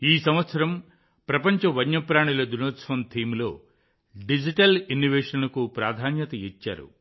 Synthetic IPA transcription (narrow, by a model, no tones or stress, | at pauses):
iːsɐmʋɐt̪sɐɾɐm | pɾɐpɐɲt͡ʃɐʋɐɲːɐpɾaːɳilɐd̪unoːt̪sʋɐnt̪ʰiːmlo̞ː | ɖid͡ʒiʈɐlinːoʋeːʂɐnɐkupɾaːd̪ʱaːnjɐt̪ɐit͡ʃːa̰ːɾṵ